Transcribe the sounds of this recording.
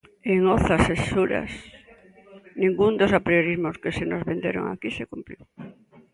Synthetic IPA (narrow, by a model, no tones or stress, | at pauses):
eŋoθasesuɾa̰s | nĩŋɡund̪osapɾjoɾizmoskesenozβend̪eɾo̰ŋa̰kisekumpɾiw